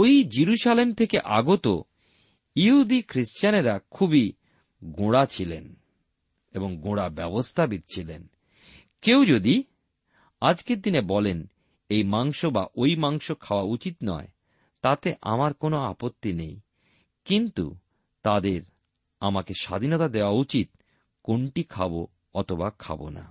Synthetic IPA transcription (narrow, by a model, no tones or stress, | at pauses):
ojd͡ʑiɾuʃalemt̪ʰekeʔaɡot̪o̰ | iɦud̪ikʰɾiʃt͡ɕaneɾakʰubi | ɡoɽat͡ɕʰilen | eboŋɡoɽabɛbost̪ʰabit̪t͡ɕʰilḛn | kewd͡ʑod̪i | ad͡ʑkeɾd̪inebɔlen | ejmaŋʃobaʔojmaŋʃokʰaoaut͡ɕit̪nɔ̰e | t̪at̪eʔa̰maɾkonoa̰pot̪ːinej | kint̪ṵ | t̪ad̪eɾ | amakeʃa̰d̪ʱinɔt̪ad̪eoaut͡ɕit̪̚ | koɳʈikʰabo | ɔt̪ʰobakʰa̰bo̰na̰